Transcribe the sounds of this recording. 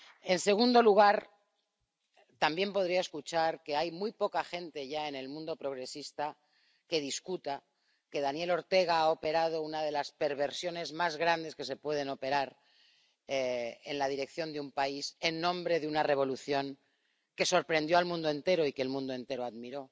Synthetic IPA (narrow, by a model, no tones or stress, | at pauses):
e̞nse̞ɣ̞und̪o̞luɣ̞aɾ | t̪ambje̞mpo̞ð̞ɾiae̞skut͡ʃaɾke̞ajmujpo̞kaxe̞nt̪e̞ʝae̞ne̞lmũnd̪o̞pɾo̞ɣ̞ɾe̞sist̪a | ke̞ð̞iskut̪a | ke̞ðanje̞lo̞ɾt̪e̞ɣaao̞pe̞ɾað̞o̞unað̞e̞laspe̞ɾβ̞e̞ɾsjo̞ne̞zmazɣɾand̪e̞ske̞se̞pwe̞ð̞e̞no̞pe̞ɾaɾ | eenlað̞iɾe̞k̚θjo̞nd̪eumpaise̞nːõ̞mbɾe̞ðunare̞β̞o̞luθjo̞ŋ | ke̞so̞ɾpɾend̪jo̞almũnd̪oe̞nt̪e̞ɾoikelmũnd̪oe̞nt̪e̞ɾoaðmiɾo̞